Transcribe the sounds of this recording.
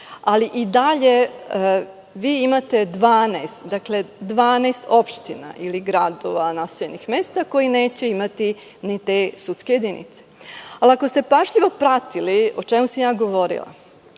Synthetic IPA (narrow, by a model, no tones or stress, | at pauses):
aliʔid̪aʎe̞ | ʋiːimat̪e̞d̪ʋaːnejst̪d̪akle̞d̪ʋaːnejst̪o̞pʃt̪ina̰ʔiliɡɾad̪o̞̰ʋanaseʎenixme̞ːst̪ako̞jine̞ːt͡ɕe̞imat̪i | nit̪eːsut̪skejed̪inḭt̪se̥alakost̪e̞paʒʎiʋo̞pɾat̪iliot͡ʃemusamjaːɡo̞ʋo̞ɾḭlˠa̰